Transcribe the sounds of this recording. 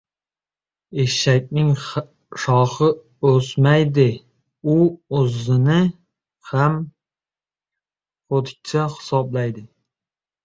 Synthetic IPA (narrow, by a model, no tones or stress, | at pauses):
eʃak̚ʲnɪŋ | ʃɒχɪ | ɵsmajd̪ɪ | ʊozɪnɪ | ham | χot̪ʰɪ̥k̚ʲt͡ʃʰahɪ̥sɒblajd̪ɪ